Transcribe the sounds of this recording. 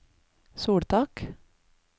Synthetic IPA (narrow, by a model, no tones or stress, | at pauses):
suːɽt̪ʰɑk